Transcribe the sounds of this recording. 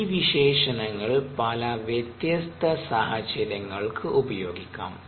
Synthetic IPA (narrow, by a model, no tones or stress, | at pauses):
iʋiɕeːʂɐnɐŋːɐɭpɐlɐʋjɐt̪jɐst̪ʰɐsaːɦɐt͡ɕɐɾjɐŋːɐɭkʰɨʔubɐjo̞̰ːɡikʲːa̰ːm